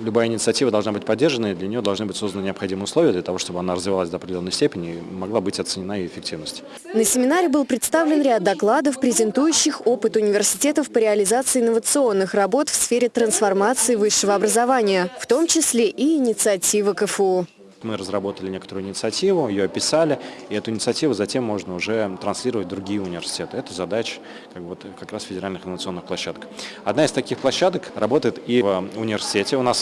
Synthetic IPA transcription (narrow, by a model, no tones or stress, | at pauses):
lʲʊbajəɪnʲɪt̪sɨɐtʲivəd̪ɐlˠʐnabɨtʲpɐdʲːerʐənəid̪lʲɐnʲɪjoɐlˠʐnɨbɨtʲsozd̪ənənʲɪɐpxɐdʲiməjəʊslˠovɪjəd̪lʲət̪ɐvo̞ʂt̪o̞bəɐnaɾəzvʲɪvalˠasʲd̪əɐpɾʲdʲɪlʲonːəjsʲtʲepʲɪnʲɪimɐɡlˠabɨtʲɐt̪sɨnʲɪnaɪjɪfʲɪk̚tʲivnəsʲtʲ | nəsʲɪmʲɪnaɾʲɪbɨlˠpɾʲɪt̪st̪avlʲɪnɾʲad̪̚dːɐklˠad̪əfpɾʲɪzʲɪnt̪ujʉɕːɪxo̞pɨt̪ʊnʲɪvʲɪrsʲɪ̥tʲe̞t̪əfpəɾʲɪɐlʲɪzat̪sɨɪːnːəvət̪sɨo̞nːɨxrɐbo̞t̪fsfʲeɾʲɪt̪ɾənsfɐrmat̪sɨɪvɨʂːəvəɐbɾəzɐvanʲɪjəft̪o̞mt͡ɕɪsʲlʲeʔiːnʲɪt̪sɨɐtʲivəkəfo | mɨɾəzrɐbo̞t̪əlʲɪnʲekə̥t̪əɾʊːɪnʲɪt̪sɨɐtʲivʊɪjoɐpʲɪsalʲɪɪɛt̪ʊɪnʲɪt̪sɨɐtʲivʊzɐtʲemːo̞ʐnəʊʐɛt̪ɾɐnsʲlʲiɾəvət̚ʲd̪ɾʊɡʲijəʊnʲɪvʲɪrsʲɪ̥tʲet̪ɨɛt̪əzɐd̪at͡ɕɪ̥ | kak̚bvo̞t̪kakɾasfʲɪdʲɪɾalʲnɨxɪnːəvət̪sɨo̞nːɨxplˠɐɕːad̪əkɐd̪naɪst̪ɐkʲixplˠɐɕːad̪əkrɐbo̞t̪əjɪt̪ivʊnʲɪvʲɪrsʲɪ̥tʲetʲɪʊnas